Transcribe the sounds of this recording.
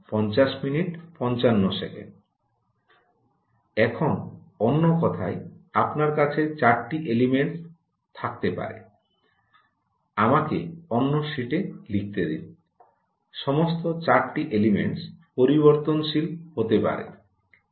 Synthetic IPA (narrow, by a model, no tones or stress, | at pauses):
pɔnt͡ɕaʃminiʈpɔnt͡ɕanːosḛkḛɳɖ | ɛkʰon | ɔnːokɔt̪ʰaeapnaɾkat͡ɕʰet͡ɕaɾʈiʔelimeɳʈs | t̪ʰak̚t̪epa̰ɾḛ | amakḛonːoʃiʈelik̚t̪ed̪ḭn | ʃɔmost̪ot͡ɕaɾʈiʔelimḛɳʈspoɾiboɾt̪onʃilhot̪epa̰ɾḛ